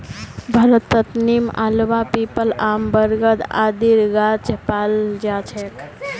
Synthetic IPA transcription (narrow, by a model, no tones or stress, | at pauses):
bʱəɾət̪ːət̪nima̰lʋapipəlambəɾɡəd̪a̰d̪iɾɡat͡ʃepald͡ʒat͡ʃʰek